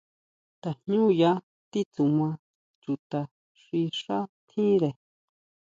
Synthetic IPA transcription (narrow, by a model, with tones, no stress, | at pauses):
t̪a˨hɲũ˦ja˦ | t̪i˦t͡su˨mã˧ | t͡ʃu˨t̪a˧ | ʂi˧ʂa˦t̪ʰĩ˦ɾe˨